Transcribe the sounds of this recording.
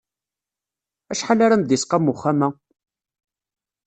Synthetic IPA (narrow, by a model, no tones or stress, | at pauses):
æʃħalaɾand̪isqamʊχːamæ